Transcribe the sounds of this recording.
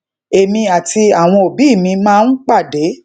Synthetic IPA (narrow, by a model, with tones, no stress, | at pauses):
e˨mĩ˧a˨ti˧a˨w̃ɔ̃˧o˨bi˨˦i˦˨mĩ˧mãː˦˧n̩˦k͡pa˦˨de˨˦